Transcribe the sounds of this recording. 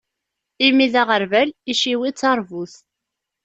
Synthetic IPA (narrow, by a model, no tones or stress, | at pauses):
imiðaʁəɾvæliʃiwit͡sːɑɾˤvuθ